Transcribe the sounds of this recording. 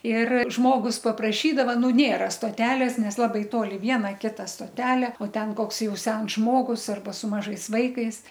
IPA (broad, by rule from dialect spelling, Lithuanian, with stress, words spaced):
ɪr ˈʒmoːɡʊs pɐprɐˈʃʲiːdɐʋɐ ˈnʊ ˈnʲeːrɐ stoːˈtʲæːlʲeːs ˈnʲɛs ˈlˠɑːbɐɪ ˈtoːlʲɪ ˈʋʲiɛnɐ ˈkʲɪtɐ stoːˈtʲæːlʲeː oː ˈtʲɛn ˈkoːks ˈjɛʊ ˈsʲɛns ˈʒmoːɡʊs ˈɐrbɐ sʊ ˈmɑːʒɐɪs ˈʋɐɪkɐɪs